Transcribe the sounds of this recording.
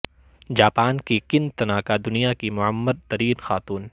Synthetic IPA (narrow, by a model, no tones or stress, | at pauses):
d͡ʒaːpaːnkikɪnt̪ɐnaːkad̪ʊnijakimʊəmːəd̪̚t̪ːɐɾiːnxaːt̪uːn